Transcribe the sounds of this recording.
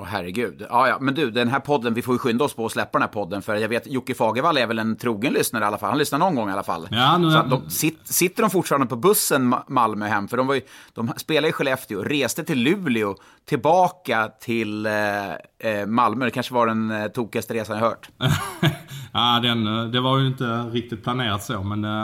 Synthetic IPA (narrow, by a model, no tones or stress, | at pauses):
ɔhɦæɾːɛɡʉ̟ːd̪ɑːjɑ̰ːmɛnd̪ʉːd̪ɛnɦæɾpʰɔd̪ːənvɪfoːjɵɧʏnd̪aɔspʰɔɔslɛpːad̪nhæːɾpʰɔd̪ːənfœɾat̪jaɡveːt̪jʊkːɪfɑːɡəɾvalːɛɾvɛlɛnt̪ʰɾuːɡənlʏsnaɾəalːafa̰lhanlʏsnaɳɔnɡɔŋːa̰la̰fa̰lːɑːnsat̪d̪ɔmsɪt̪sɪt̪ːəɖɔmfʊʈːfɑɾand̪əpʰɔbɵsːənmalmœɦɛmːfœɖɔmvajɵd̪̥ɔmspeːlad̪jəɧɛlɛft̪ɪʊɾeːst̪ət̪ʰɪlːʉ̟ːlɪʊ | t̪ʰɪlbɑːkat̪ʰɪl | malmœd̪ɛkʰanʂəvaɖɛnt̪ʰuːkɪast̪əɾeːsanjaɾhœ̰ːʈ | aːd̪ɛnd̪ɛvaɾjɵɪnt̪əɾɪk̚t̪ɪt̪̚pʰlaneːɾat̪soːmɛn